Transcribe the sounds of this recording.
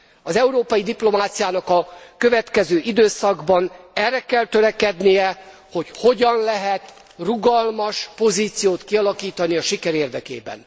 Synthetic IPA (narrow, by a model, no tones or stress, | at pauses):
ɒzɛuɾoːpɒjid̪iplo̞maːt̪sijaːnɒkɒkø̞vɛt̪kɛzøːʔid̪øːsɒɡbɒnɛrːɛkɛlt̪ø̞ɾɛkɛd̪nijɛ | ho̞cho̞ɟɒnlɛɦɛt̪ | ruɡɒlmɒʃpo̞ziːt̪sijoːt̪kiɒlɒkiːt̪ɒniɒʃikɛɾeːrd̪ɛkḛːbɛ̰n